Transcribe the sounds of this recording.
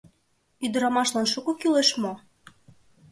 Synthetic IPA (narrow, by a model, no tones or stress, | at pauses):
yd̪ə̆ɾɑmɑʃlɑnʃukokyleʃmo